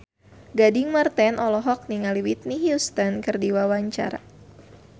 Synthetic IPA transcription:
ɡadiŋmart̪ɛnʔɔlɔɦɔk̚niŋaliwit̪̚niɦjust̪ənkɨrdiwawaɲt͡ʃa̰ɾa̰

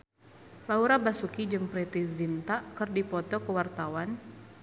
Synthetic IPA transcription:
lauɾabasukid͡ʒɨŋpɾɛt̪izint̪akɨrdipɔt̪ɔkəwart̪awan

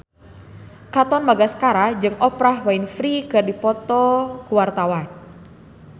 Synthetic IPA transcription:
kat̪ɔnmaɡasə̥kaɾad͡ʒɨŋʔɔpɾaɦwainfɾikardipɔt̪ɔkuwart̪awan

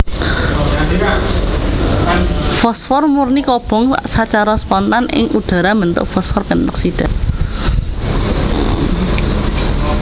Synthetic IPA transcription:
fɔsfɔrmurnikɔb̥ɔ̤ŋsat͡ʃaɾɔspɔnt̪anʔɪ̰ŋʔuɖ̪̥a̤ɾamənt̪ʊ̰ʔfɔsfɔrpənt̪ɔk̚sid̥an

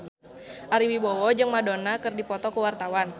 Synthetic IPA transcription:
ʔaɾiwibowɔd͡ʒɨŋmadonakɨrdipɔt̪ɔkəwart̪awan

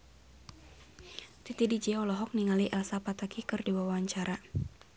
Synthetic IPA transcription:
t̪it̪idid͡ʒiɔlɔɦɔk̚niŋaliʔɛlsapat̪akikɨrdiwawaɲt͡ʃaɾa

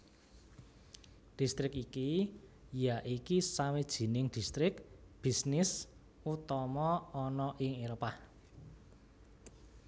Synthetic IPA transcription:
d̪̥i̤st̪ɾɪkiki | jaʔikisawed̥ʒ̥i̤nɪŋd̪̥i̤st̪ɾɪkb̥i̤snɪs | ut̪ɔmɔːnɔʔɪŋeɾopah

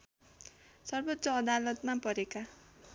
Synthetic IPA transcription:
sʌrbʌt̪ːt͡sʌːd̪alʌt̪mapʌɾeka

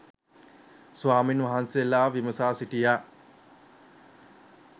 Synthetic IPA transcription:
sʋaːminʋaɦansijelaːʋiməsaːsiʈijaː

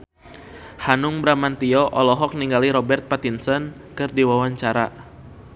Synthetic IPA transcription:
hanʊŋbɾamant̪iɔʔɔlɔɦɔk̚niŋɡaliɾɔbɛrt̪̚pat̪insən | kɨrdiwawaɲt͡ʃaɾa

